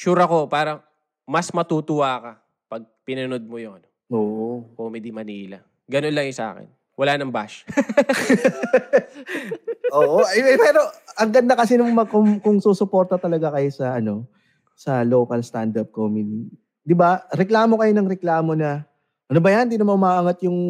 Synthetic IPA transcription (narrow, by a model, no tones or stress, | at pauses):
t͡ʃuːɾɐko̞paːɾɐŋ | mɐsmɐt̪ut̪ʊwaːkɐ | pɐɡ̚pɪnɐnod̪̚mojʊŋɐnoʔoːʔokoːmɪd̪imɐniːlɐ | ɡɐnonlɐŋjɪsɐʔa̰ːkɛ̰n | wɐlaːnɐŋba̰ʃ | ʔoʔoʔɐɛpɛɾo̞ʔɐŋɡɐd̪nːɐkɐs̬ɛnʊŋmɐkomkʊŋsuːsʊpo̞ːɾt̪ɐt̪ɐlɐɡakɐjosɐʔɐno̞ | sɐloːkɐlst̪and̪ɐp̚komɪd̪i | d̪ɪbaɾɛklaːmo̞kɐjonɐŋɾɛklaːmo̞nɐ | ʔɐnobɐjɐnd̪iːnɐmanʔʊmaːʔɐŋɐt̪̚jʊŋ